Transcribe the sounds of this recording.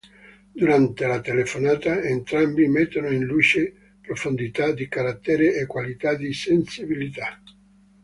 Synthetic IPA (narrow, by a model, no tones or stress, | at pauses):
d̪uɾant̪elat̪elefonaːt̪aent̪ɾambimet̪ːonoinluːt͡ʃe | pɾofond̪it̪ad̪ikaɾat̪ːɛːɾeekːwalit̪ad̪isensibilit̪a